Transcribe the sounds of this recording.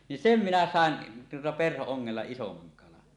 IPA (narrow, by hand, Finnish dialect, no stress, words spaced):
nin sem minæ sɑˑen tuotɑ perhooŋːelːɑ isomɑŋ kɑlɑn